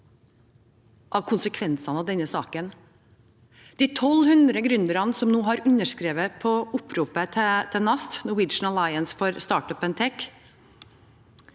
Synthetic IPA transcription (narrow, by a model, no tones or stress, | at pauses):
ʔɑːʋkʰʊnsəkʰʋɛnsɑnɑːʋd̪ɛnəsɑːkən | d̪̥iːt̪ʰɔlhʉnd̪ɾəɡɾʉnd̪əɾɑnəsɔmnuːhɑːɾʉnəʂkɾeːʋəpʰɔʔʊpʰɾuːpət̪ʰɛt̪ʰɛnɑst̪nʊwɪd͡ʒɳ̩ɑlɑɪənsfɔɾst̪ɑːʈœpənt̪ʰɛk